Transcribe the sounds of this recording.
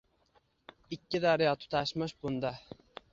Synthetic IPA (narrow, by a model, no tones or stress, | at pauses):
ɪkʲːɪd̪aɾɪjɒt̪ʰʊ̥t̪ʰaʃmɪʃbʊnd̪a